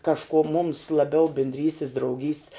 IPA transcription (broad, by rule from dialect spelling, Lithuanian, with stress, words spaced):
kɐʃˈkuɔ mʊms lˠɐˈbʲɛʊ bʲɪnʲdʲˈrʲiːsʲtʲɪs drɐʊˈɡʲiːsʲtʲs